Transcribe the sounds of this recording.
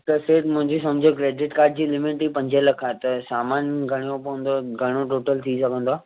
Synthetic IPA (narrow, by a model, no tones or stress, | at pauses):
t̪ɐseːʈmʊ̃ɦɪ̃ɲd͡ʑisɐmd͡ʑʱəkɾeːɖɪʈkaːɾʈ̚d͡ʑiːlɪmɪʈipɐ̃ɲd͡ʑəlɐkʰaːet̪ɐsaːmaːnɡʱɐɽ̃ijõpɐʋə̃nd̪oɡʱɐɽ̃joʈoːʈəlt̪ʰisɐɡʱə̃nd̪oaː